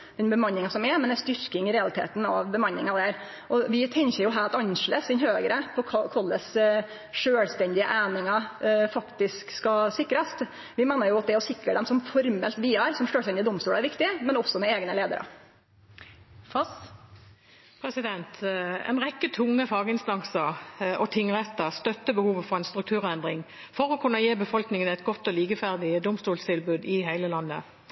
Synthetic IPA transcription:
d̪̥ɛnbəmɑnːɪŋɑsɔmɛmɛnæst̪ʏɾkɪŋɪɾɛɑlɪt̪ʰḛːt̪n̩ɑ̰ʋbəmɑnːɪŋɑd̪æɾ | ʔɔʋɪt̪ʰɛŋçəjʊɦæːɾɑt̪ɑnʂləsɪnhøːɡəɾəpʰɔkʰɑkʰɑlːəs | ʂøːlst̪ɛnd̪ɪə̰ʔæːnɪŋɑfɑkt̪ɪskskɑsɪkːɾəst̪ | ʋɪmeːnəɾjʊɑt̪̚d̪ɛɔsɪkɾəd̪ɛmsɔmfɔɾmə̰lt̪ʋiːæɾsɔmʂøːlt̪ɛnd̪ɪd̪ɔmst̪uːlæɾʋɪkt̪ɪmɛnɔsɔmɛeːɡnəleːd̪ə̰ɾə̰ | fɑs | pʰɾɛsɪd̪ɛnt̪ɛ̰nʁɛkːət̪ʰʊŋːəfɑːɡəɪnst̪ɑŋsəʁɔt̪ʰɪŋːʁɛt̪ːəʁst̪œt̪ːəbəhuːʋəfɔʁɛɪnst̪ɾʁʉk̚t̪ʰʉːʁɛnd̪ʁɪŋ | fɔʁɔkʰʉnːɑjeːbəfɔlknɪŋənɛɪt̪̚ɡɔt̪ːɔliːkəfæʁd̪ɪd̪ʊmst̪uːlst̪ʰɪlbʉːd̪ɪɦæɪləlɑnːə̰

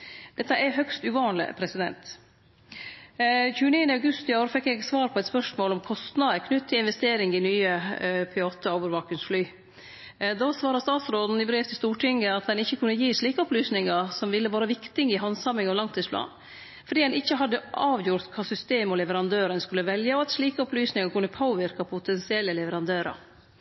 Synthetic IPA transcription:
d̪̥ɛt̪ːəɛɾɦœkst̪ʉʋɑːnlɪ̰pʰɾɛsɪd̪ɛ̰nt̪ | çʉːəniːənəɑʉɡʉst̪ɪoːɾfɛkːɛɡsʋɑːɾpʰɔɛt̪spœʂmoːlɔmkʰɔst̪nɑd̪əɾkʰnʉt̪t̪ʰːɪlɪnʋɛst̪eːɾɪŋɪnyːəpʰɛɑːt̪əɔːʋəɾʋɑːkənsflyː | d̪osʋɑːɾəst̪ɑːt̪sɾoːd̪n̩ɪbɾeːʋt̪ʰɪlst̪uːʈʰɪŋɡəɑt̪̚d̪ɛnɪçːəkʰʉnːəjiːʂɭiːkəɔplyːsnɪŋəsɔmʋɪlːəʋɑːɾəʋɪkt̪ɪŋɪɦɑnsɑmːɪŋɑʋlɑŋt̪ʰːiːspʰlɑ̰ːn | fɔɖiːd̪ɛnɪçːəɦɑd̪ːəʔɑːʋjʊɾt̪kʰɑːsʏst̪eːmɔlɛʋəɾɑnd̪øːɾənskʉlːəʋɛljəɔɑt̪sliːkəɔplyːsnɪŋɑɾkʰʉnːəpʰoːʋɪɾkɑpʰʊt̪ʰɛnsɪɛlːəlɛʋəɾɑnd̪øːɾɑ̰

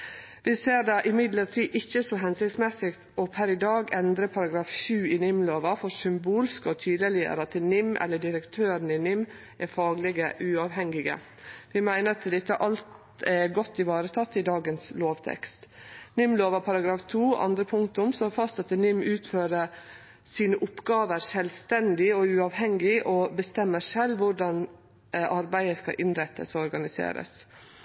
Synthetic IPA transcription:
ʋɪseːɾɖɑʔɪmɪd̪ləɾʈʰiːʔɪçːəsɔɦɛnsɪkt̪smɛsɪk̪ɔpʰæɾɪd̪ɑːɡɛnd̪ɾəpʰɑɾɑɡɾɑːfʃʉːɪnʏmloːʋɑfɔɾsʏmbuːlskəɔt̪ʰyːd̪əlɪæ̰ɾɑt̪ʰənɪmːʔɛ̰lːəɖɪɾəkt̪ʰøːɾən̩ɪnʏmː | ʔɛɾfɑːɡlɪɡəʔʉːɑʋɦɛŋɪɡə̰ | ʋɪmæɪnəɾt̪ʰɪd̪ɪt̪ːəʔɑlt̪ | ɛɡɔt̪ːɪʋɑːɾət̪ʰɑt̪ːɪd̪ɑːɡənsloːʋt̪ʰɛ̰kst̪nɪmloːʋəɾpʰɑɾɑɡɾɑːft̪ʰuːʔɑ̰nd̪ɾəpʰʊŋt̪ʊmsɔfɑst̪sɛt̪ːənɪmːʉːt̪føːɾə | siːnəʔʊpːɡɑːʋəɾʂɛlʋst̪ɛnd̪ɪɔʉɑːʋhɛŋɪʔɔbəst̪ɛmːəʂɛlʋʊɖɑn | ʔɑɾbæɪəskɑ̰ʔɪnɾɛt̪ʰːə̰sɔɾɡɑnɪsḛːɾə̰s

